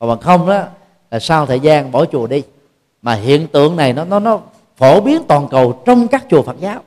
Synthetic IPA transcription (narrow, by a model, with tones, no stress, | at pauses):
ɔː˨˩ɓa˨˩ŋxə˧wŋ͡ma˨˦ | laː˨˩saː˧wt̪ʰəː˨˩jzaː˧nɓo˧˩t͡ɕu˨˩əɗi˧ | maː˨˩ɦḭ˧˨ənt̪ɨ̰˧˨əŋna˨˩jnɔ˨˦nɔ˨˦nɔ˨˦ | fo˧˩ɓi˨˦ənt̪wɔː˨˩nkə˨˩wt͡ɕɔ˧wŋ͡mkaː˦˥k̚t͡ɕu˨˩əfaː˨˩t̚zaː˨˦w